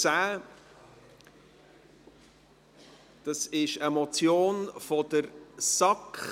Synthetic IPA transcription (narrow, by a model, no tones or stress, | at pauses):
saː | d̥ɑsɪʃəmɔt͡sjoːnfɔdəɾsɑk